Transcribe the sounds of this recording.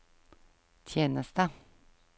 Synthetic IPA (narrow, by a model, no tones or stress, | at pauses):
t̪ʰjeːnəst̪ə